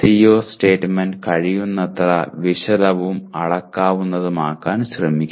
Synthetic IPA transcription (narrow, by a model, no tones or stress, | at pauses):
sijoːsʈe̞ːʈːmenɖkɐɻijunːɐt̪ːɐrɐʋiʂɐlɐʋumɐɽɐkːaːʋunːɐðumaːkːaːnɕrɐmikʲː